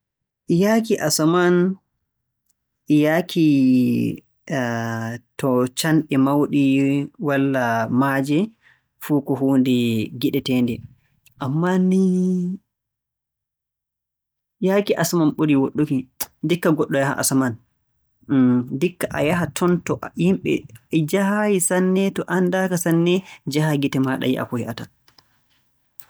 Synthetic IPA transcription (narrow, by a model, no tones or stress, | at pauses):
ʔjaːkiʔasaman | jaːkʰi | tɔt͡ʃanɗɛmawɗiwalːamad͡ʒɛ | fuːkɔɦuːndɛɡiɗɛtɛːndɛ | ʔamːani | jakiʔasamanɓuɾiwoɗːukidikːaɡɔɗːɔjaha̰ʔa̰saman | dikːaʔa̰jaɦatʰɔntɔʔjimɓɛ̰d͡ʒahajisanːɛtɔʔandakasanːɛd͡ʒahaɡitɛmaɗa̰jiʔa̰kɔhɛʔata